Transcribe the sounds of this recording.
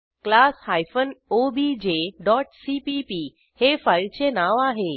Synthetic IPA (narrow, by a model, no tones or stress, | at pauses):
klashajfənobid͡ʑeɖɔʈsipipi | hefailt͡ɕʰenaʋaɦe